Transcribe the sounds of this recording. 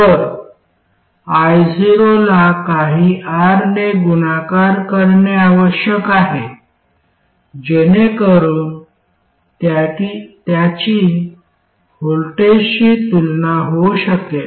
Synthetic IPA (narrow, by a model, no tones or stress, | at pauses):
pəɾ | ajd͡ziɾolakaɦiaɾneɡunakaɾkəɾɳeaʋəɕjəkaɦe | d͡ʑenekəɾuːn | t̪aʈit̪jat͡ɕi | holʈesɕiːt̪ulnaɦoɕəkel